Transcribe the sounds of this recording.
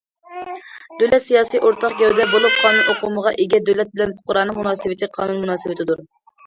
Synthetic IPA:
d̪̥ølɛt̪sijɑːsɨjʔoɾt̪ʰɑqɡɛwd̪ɛbolˠup̚qʰɑːnunʔoqʰuməʁɑʔeɡʲɛd̪ølɛt̪̚bɪlɛnpʊ̥qːʊɾɑːnɨŋmunɑːsɨwɪt̪ʰɨqʰɑ̰ːnunmunɑːsɨwɪt̪ʰɪd̪uɾ

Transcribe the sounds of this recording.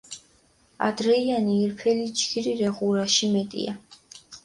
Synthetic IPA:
a̰d̪ɾɛianiːɾpʰɛlit͡ʃʰʼkʰiɾiɾɛʁuɾaʃimɛt̪ʼḭa

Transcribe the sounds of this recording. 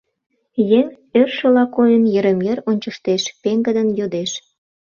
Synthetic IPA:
jeŋ | ørʃə̆lɑkojənjəɾə̆mjeɾonʲt͡ɕə̆ʃt̪eʃpeŋɡə̆d̪ənjod̪eʃ

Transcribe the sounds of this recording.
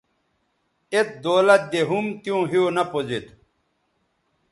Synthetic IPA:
et̪̚d̪oːlɐt̪̚d̪eɦumt̪jõːɦionɐpozet̪

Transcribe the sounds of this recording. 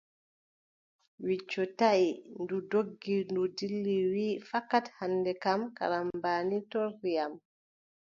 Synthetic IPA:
wit͡ʃːɔtaʔindudoɡːindudilːiwiːfakːathanːdɛkamka̰ɾambaːnitoɾːijam

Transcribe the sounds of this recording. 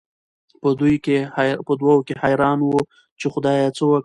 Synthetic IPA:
pəd̪ujkepəd̪wawokehajɾɑnwə | t͡ʃexʊd̪ɑjat͡səwək

